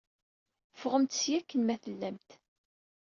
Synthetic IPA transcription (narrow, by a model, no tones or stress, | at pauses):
fʁəmt̪sjækːənmæθəlːæmt̪